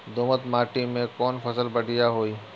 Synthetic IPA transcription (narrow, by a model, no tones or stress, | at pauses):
d̪oːmət̪maːʈimẽkɔːnpʰəsəlbəɖʱɪjaɦoːiː